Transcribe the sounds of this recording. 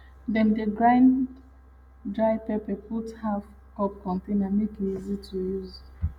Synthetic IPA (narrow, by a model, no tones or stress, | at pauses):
dɛ̃ndeɡɹãɪ̃n | dɹaɪpɛpɛputhaf | kɔp̚kɔ̃ntẽnamekiizitʰujuz